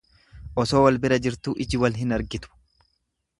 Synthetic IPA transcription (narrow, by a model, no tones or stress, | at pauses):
ʔɔso̞ːwɐlbɪɾɐd͡ʒɪɾt̪uːʔɪd͡ʒɪwɐlɦɪnɐɾɡɪt̪ʊ̥